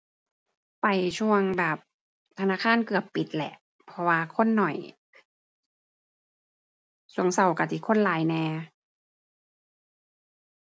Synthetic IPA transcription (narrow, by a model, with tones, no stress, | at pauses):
pa˨˩jt͡ɕʰu˧əŋbɛː˨˩p̚ | t̪ʰa˧naː˧˥˨kʰaː˧˥˨nkɯ˨˩əppi˨˦t̪̚lɛ̰˨˧˩ʔ | pʰɔ˧waː˧kʰo˧˥˨nːɔ˨˩j | su˧˩˦əŋsa˧˩wka˧˩t̪ʰiː˧˩kʰo˧˥˨nlaː˨˦jnɛː˧